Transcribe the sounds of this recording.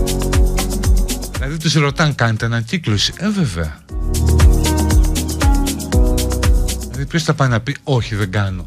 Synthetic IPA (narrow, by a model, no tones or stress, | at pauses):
ðilɐðit̪usɾo̞t̪ɐŋkɐne̞t̪enɐɲciklosiʔeve̞vḛɐ | iðɐðipçost̪ɐpɐnɐpio̞çiðe̞ŋɡɐno̞